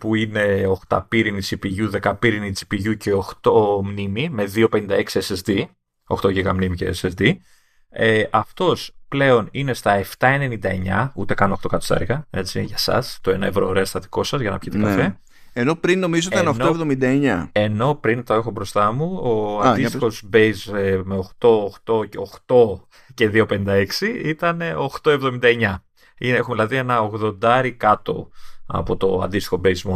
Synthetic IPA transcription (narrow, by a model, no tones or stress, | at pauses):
puine̞o̞xt̪ɐ̰piɾinit͡sipiʝuðe̞kɐpiɾinid͡zi̥piʝuce̞oxt̪o̞mnimime̞ðio̞pe̞nind̪ɐe̞ksiesezd̪i | o̞xt̪o̞ʝiɣɐmnimiceḛsesd̪i | eʔɐft̪o̞sple̞o̞nine̞st̪ɐe̞ft̪ɐene̞nind̪ɐeɲɐ̰ut̪e̞kɐnoxt̪o̞kɐt̪osɐ̰ɾɣɐe̞t͡siʝɐsɐ̰st̪oe̞nɐe̞vɾo̞ːɾeɐst̪ɐt̪i̥ko̞sɐzʝɐnɐ̰pçit̪ekɐfe̞ | eno̞pɾinːo̞mizoit̪ɐnonkoevðomind̪ɐeɲɐe̞no̞pɾint̪oexo̞bɾo̞st̪ɐmuoɐnd̪ist̪i̥xo̞zbejzemeoxt̪o̞ːxt̪o̞ceoxt̪o̞ | ce̞ðio̞pe̞nind̪ɐe̞ksiit̪ɐne̞o̞xt̪o̞e̞vðomind̪ɐeɲɐ | inexumeðilɐðie̞nɐoɣðo̞nd̪ɐɾikɐt̪o̞̰ɐ̰pot̪o̞ɐ̰nd̪ist̪i̥xobejzmo